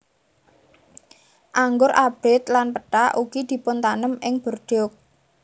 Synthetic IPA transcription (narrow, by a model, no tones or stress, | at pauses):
ʔaŋɡʊɾʔab̥ɪt̪lanpəʈaʔuɡid̪̥i̤pʊnt̪anəmɪŋb̥ə̤rɖ̥ɔk̚